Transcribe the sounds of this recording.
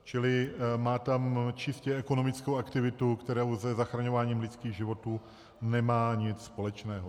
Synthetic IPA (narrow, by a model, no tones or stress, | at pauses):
t͡ʃɪlɪmaːt̪amt͡ʃɪscɛɛkono̞mɪt͡skowakt̪ɪvɪt̪ukt̪ɛɾowzɛzaxɾaɲo̞vaːɲiːmlɪt͡skiːɣʒɪvo̞t̪uː | nɛmaːɲɪt͡sspo̞lɛt͡ʃnɛːɦo